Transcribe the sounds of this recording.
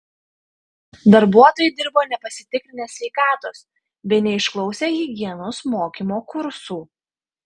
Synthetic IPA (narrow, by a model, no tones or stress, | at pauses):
d̪ɐɾbuɔt̪oːjɪd̪ʲɪɾboːnʲɛpɐsʲɪ̥t̪ʲɪkɾʲɪnʲeːsʲʋʲɛɪkɑːt̪oːs | bʲɛɪnʲɛɪʃklˠɔʊsʲeːjiːɡʲiɛnʊsmoːkʲiːmoːkʊɾsuː